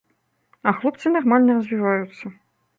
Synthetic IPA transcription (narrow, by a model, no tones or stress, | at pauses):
ɐxlˠɔpt̪sɨnarmalʲnʲɛɾɐzʲvʲivajut̪sːɐ